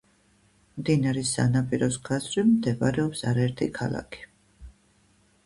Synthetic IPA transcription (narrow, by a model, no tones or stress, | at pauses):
md̪inaɾɛsa̰napʼiɾɔsɡazɾimd̪ɛbaɾɛɔpsaɾaɛɾt̪ʰikʰala̰kʰi̥